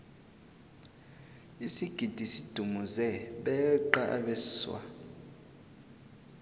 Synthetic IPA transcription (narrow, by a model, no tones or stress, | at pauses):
isiɡ̥ʱid̥ʱisid̥ʱumuzɛɓɛǃaʔa̰ɓɛswa̰